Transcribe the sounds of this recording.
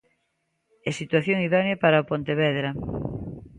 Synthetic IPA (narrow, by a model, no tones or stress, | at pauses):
esit̪waθjoŋiðɔnjapaɾaopont̪eβɛðɾa